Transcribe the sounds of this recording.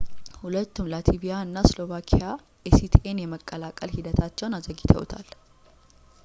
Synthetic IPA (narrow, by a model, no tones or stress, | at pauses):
hʊlət̪ːumlat̪ʰibijaɨnːaslo̞vakʰija | esit̪ʰiʔenjɛməkʼːəlakʼəlhid̪ət̪ʰat͡ʃːɛwnazəɡɪt̪ʰə̰wt̪ʰa̰l